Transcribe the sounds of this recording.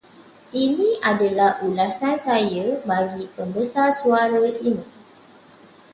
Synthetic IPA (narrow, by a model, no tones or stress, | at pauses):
ʔinĩadalahʔulasansajəbaɡipəmbəsarsuaɾəʔinĩ